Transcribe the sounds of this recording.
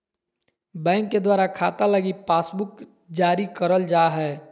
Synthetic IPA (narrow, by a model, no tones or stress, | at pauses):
bɛ̃ːŋkːed̪waːɾakʰaːt̪aləɡipaːsbʊk | d͡ʒaːɾikəɾəld͡ʒaɦɛː